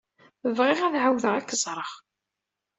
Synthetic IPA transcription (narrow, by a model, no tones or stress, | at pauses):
əvʁɪʁæðʕawðəʁækːəzˤɾˤəʁ